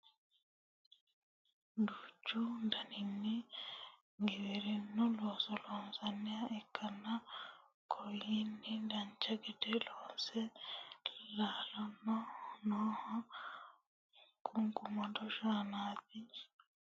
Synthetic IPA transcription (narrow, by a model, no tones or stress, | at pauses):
d̪uːt͡ʃːud̪ɐnɪnːi | ŋɡɛwɛɾinːɔloːsɔloːnsɐnːɛjɐʔɛkːɐnːɐ | kʰɔjinːid̪ɐɲt͡ʃːɐɡɛd̪ɛloːnsɛ | laːlɔnːɔnoːhɔ | kʼʊŋkʼʊmɐd̪ɔʃaːnaːt̪̚i